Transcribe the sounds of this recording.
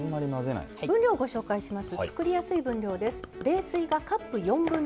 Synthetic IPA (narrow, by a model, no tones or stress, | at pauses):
mːaɾʲinaze̞na̰ibɯ̟̃nɾʲo̞ːɡo̞ɕo̞ːkaiɕimasɨt͡sɨ̥kɯ̟ɾʲijasɨibɯ̟̃ɲɾʲo̞ːd̪e̞sɨ̥ɾe̞ːsɨiɡakapːɯ̟jõ̞mbɯ̟̃n